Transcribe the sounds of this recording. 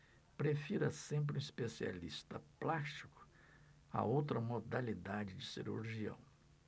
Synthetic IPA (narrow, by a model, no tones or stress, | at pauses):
pɾefiɾɐsẽmp̬ɾɪũispesia̰list̪ɐplast͡ʃi̥kʊ̥ | ɐ̰owt̪ɾɐmod̪alid̪ad͡ʒɪd͡ʒɪsiɾṵɾʒiɐ̰̃w̃